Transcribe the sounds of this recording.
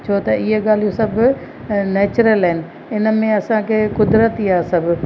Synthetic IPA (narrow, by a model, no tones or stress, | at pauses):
t͡ɕʰoːt̪ɐiɦeɠaːl̤ijosɐbʱʊ | neːt͡ɕʊɾəlɦɪnɪ̆ | ɪnə̆mẽɐsãkʰeːkʊd̪ɾət̪iaːsɐbʱʊ